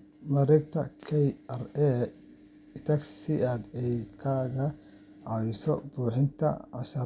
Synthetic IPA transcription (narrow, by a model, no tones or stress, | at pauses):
mɐɾɛɡt̪ʰɐkʰɛjɐrɛ | ɪt̪ʰɐksiɐd̪ɛjkʰaːɣɐ | ʕɑwɪsɔ̰buːħɪnt̪ʰɐ̰ɐʃɐ